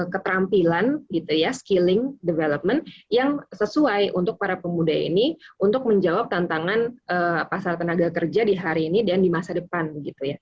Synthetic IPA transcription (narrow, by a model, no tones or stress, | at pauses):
kət̪əɾampilanɡit̪ujaskilɪŋdəveləp̚mənjaŋsəsuajʔṵnt̪ʊk̚paɾapəmudaḭniunt̪ʊk̚məɲd͡ʒawap̚t̪ant̪aŋanʔəpasalt̪ənaɡakərd͡ʒadiɦaɾiːnidandimasadəpanɡit̪uja